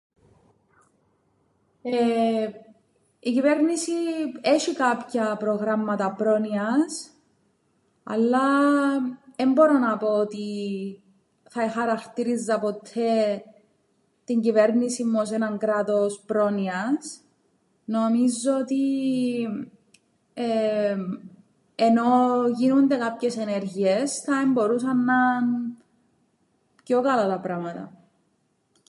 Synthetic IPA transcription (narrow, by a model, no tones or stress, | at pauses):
e | icive̞ɾnisieʃikɐpçɐpɾoɣɾɐmːɐt̪ɐpɾo̞niɐs | ɐ̰lːɐ | embo̞ɾonɐpo̞ot̪i | θɐexɐɾɐxt̪iɾizːɐpot̪ʰːe | t̪iɲɟive̞ɾnisimːos̬enɐŋkɾɐt̪o̞spɾo̞niɐs | no̞mizːoot̪i | eno̞ʝinund̪e̞kapçe̞seneɾʝiesθɐembo̞ɾusɐnːɐn | pco̞kɐlɐt̪ɐpɾɐmɐt̪ɐ̰